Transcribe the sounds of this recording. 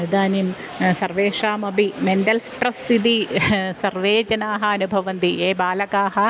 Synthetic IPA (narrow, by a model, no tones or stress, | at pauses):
ɐnud̪aːnim | sɐrʋeːʂaːmɐbimenɖɐlspɾɐst̪ʰit̪isɐrʋeːd͡ʒɐnaːɦɐɐnubʱɐʋɐnd̪ieːbaːlɐkaːɦɐ